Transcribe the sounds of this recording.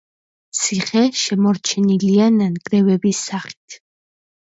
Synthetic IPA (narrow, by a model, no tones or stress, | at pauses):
t̪sʰiχɛʃɛmɔɾt͡ʃʰɛniliananɡʼɾɛvɛbisaχi̥t̪ʰ